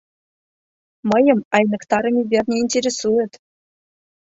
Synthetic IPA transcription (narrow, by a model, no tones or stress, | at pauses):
mɤ̆jɤ̆mɑjnɤ̆kt̪ɑɾɤ̆mʲibʲerʲnʲeinʲtʲeɾʲesuɘ̆t̪